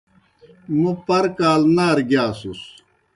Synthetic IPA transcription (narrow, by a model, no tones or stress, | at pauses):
mupɐɾkaːlnaːɾɡjaːsus